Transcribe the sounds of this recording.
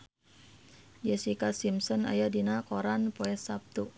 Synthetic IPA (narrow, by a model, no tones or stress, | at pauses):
d͡ʒɛsikasimsɔna̰jadinakɔɾanpɔɛsap̚t̪u